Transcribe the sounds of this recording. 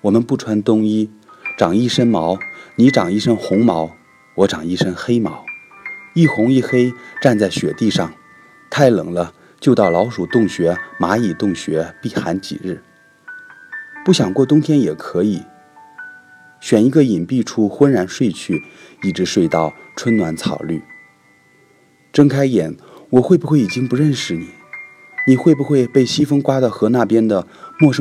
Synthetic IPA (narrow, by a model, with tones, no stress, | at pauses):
wɔ˨˩mə˦npu˥˩ʈ͡ʂʰwa˥nt̪ʊ˥ŋi˥ʈ͡ʂɑ˨˩ŋi˥˩ʂə˥nmɑ˧˥ʊni˧˥ʈ͡ʂɑ˨˩ŋi˥˩ʂə˥ŋxʊ˧˥ŋmɑ˧˥ʊ | wɔ˧˥ʈ͡ʂɑ˨˩ŋi˥˩ʂə˥ŋxe˥ɪmɑ˧˥ʊi˥˩xʊ˧˥ŋi˥˩˧xe˥ɪʈ͡ʂa˥˧nt͡sa˥˩ɪɕɥɛ˨˩t̪i˥˧ʂɑ˥˩ŋ | t̪ʰa˥˩ɪlɤ̰˨˩ŋlə˦ | t͡ɕjo˥˧ʊt̪ɑ˥˩ʊlɑ˧˥ʊʂu˨˩t̪ʊ˥˩ŋɕɥɛ˧˥ma˧˥i˨˩t̪ʊ˥˩ŋɕɥɛ˧˥pi˥˩xa̰˧˥nt͡ɕḭ˨˩ɻɻ̩˥˩ | pu˥˩ɕjɑ˨˩ŋkwɔ˥˩t̪̬ʊ˥ŋt̪ʰjɛ˥njɛ˨˩kʰɤ˧˥i˨˩˦ | ɕɥɛ˨˩ni˧˥ɡə˧i˨˩npi˥˩ʈ͡ʂʰu˥xwə˥nɻa˧˥nʂwe˥˧ɪt͡ɕʰy˥˩i˥˩ʈ͡ʂɻ̩˧˥ʂwe˥˧ɪt̪ɑ˥˩ʊʈ͡ʂʰwə˥nnwa˧˥nt͡sʰɑ̰˨˩ʊly̰˥˩ | ʈ͡ʂə˥ŋkʰa˥ɪjɛ˨˩n | wɔ˨˩xwe˥˩ɪbu˧xwe˥˩ɪi˨˩t͡ɕi˥ŋpu˧˥ɻə˥˩nʂɻ̩˧˩ni˨˩˦ | ni˨˩xwe˥˩ɪbu˩xwe˥˧ɪpe˥˩ɪɕi˥fə˥ŋkwa˥d̪ə˧˩xɤ˧˥na˥˩pjɛ˥nd̪ə˨mwɔ˥˩ʂə˥